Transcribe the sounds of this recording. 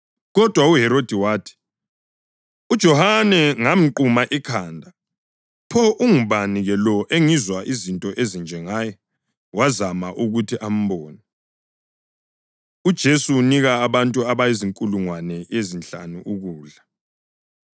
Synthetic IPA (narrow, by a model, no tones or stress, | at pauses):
ɣɔd̥ʱwauɦɛɾod̥ʱiwaːtʰi̥ | ud̥ʒ̥ʱɔhanɛŋam̩ǃumaʔikʰaːndʱa | pʰɔʔuŋuβaniɣɛlɔʔeŋizwaʔizintʼɔʔezind͡ʒʱɛŋaːjɛ | wazamaʔuɣutʰiʔam̩bɔːnɛ | ud̥ʒ̥ʱesuːniɣaːβantʼuaβajiziŋkʼuluŋwanɛezinɬa̰nuʔuɣuːɮa